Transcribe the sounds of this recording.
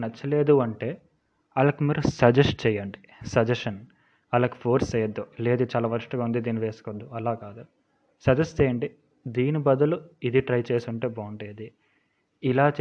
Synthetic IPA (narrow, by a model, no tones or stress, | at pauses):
nɐt͡ʃːɐle̞ːd̪uɐɳʈe̞ː | ɐlɐkimiːɾusɐd͡ʒesʈ̚t͡ʃɛjɐɳɖi | sɐd͡ʒɐʂɐn | ɐlaki̥pʰoːɾsɐjɐd̪ːule̞ːd̪ut͡ʃaːlaːʋɐɾuʂʈɐɡaːund̪id̪iːniʋe̞ːsu̥kod̪ːuɐlaːkaːd̪u | sɐd͡ʒɐsʈt͡ʃɛːjɐɳɖi | d̪iːnibɐd̪ɐluid̪iʈɾɐjt͡ʃe̞ːsuɳʈe̞ːbɐːɳɖeːd̪iː | laːt͡ʃ